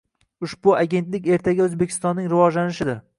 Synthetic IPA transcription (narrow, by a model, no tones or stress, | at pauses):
ʊʃbʊaɡʲe̞nt̪lɪkʲe̞ɾt̪ʰaɡʲaɵzbekʲʰɪ̥st̪ɒnːɪŋɾɪvɒd͡ʒlanɪʃɪd̪ɪɾ